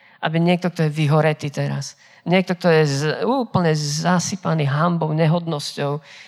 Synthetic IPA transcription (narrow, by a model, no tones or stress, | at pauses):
ʔa̰biɲɪɛk̚t̪ɔk̚t̪ɔjɛʋiɦɔɾɛt̪iːt̪ɛɾa̰s | ɲɪɛk̚t̪ɔk̚t̪ɔjɛzuːpl̩ɲɛzasipaniɦambɔʊɲɛɦɔd̪nɔscɔʊ